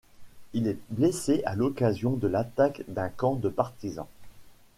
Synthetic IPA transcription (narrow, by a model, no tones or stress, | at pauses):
ilɛbleseʔalɔkazjɔ̃d̪əlat̪akd̪ɛ̃kɑ̃d̪əpaʁt̪izɑ̰̃